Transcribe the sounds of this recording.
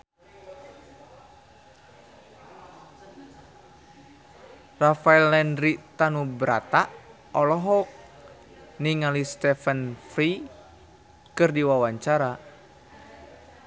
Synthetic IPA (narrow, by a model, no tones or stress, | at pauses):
rafaɛlːɛndɾit̪anubɾa̰t̪a | ɔlɔɦɔk̚ | niŋalist̪ɛfənfɾi | kɨrdiwawaɲt͡ʃaɾa